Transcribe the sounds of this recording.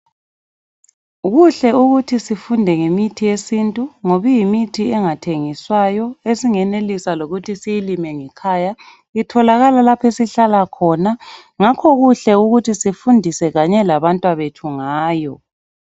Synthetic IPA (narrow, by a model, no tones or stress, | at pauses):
ɣuɬɛuɣutʰisifundʱɛŋemitʰijesintʼuŋoβujimitʰiɛŋatʰeŋiswajɔesiŋɛnelisaloɣutʰisijilimɛŋɛkʰaja | itʰɔlaɣalalapʰesiɬalakʰɔna | ŋakʰɔɣuɬɛuɣutʰisifundʱisɛɣaɲɛlaβantʼwaβetʰuŋaːjɔ̰